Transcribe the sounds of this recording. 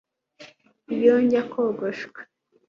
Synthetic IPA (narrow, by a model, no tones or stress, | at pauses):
joɲɟakʰoɡoʃwe̥